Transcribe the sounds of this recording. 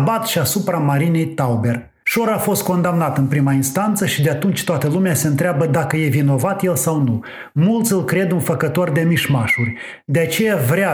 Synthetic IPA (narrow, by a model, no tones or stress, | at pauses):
bat̪ʃiasupɾamaɾine̞jt̪awbe̞r | ʃo̞ɾafo̞st̪̚ko̞nd̪amnat̪ɨnpɾimainst̪ant̪səʃid̪e̞at̪unt͡ʃʲt̪oat̪əlumease̞ɨnt̪ɾeabəd̪akəje̞vino̞vat̪je̞lsawnu | mult̪sʲɨlkɾe̞d̪unfəkət̪o̞rd̪e̞miʃmaʃurʲ | d̪e̞at͡ʃe̞javɾʲea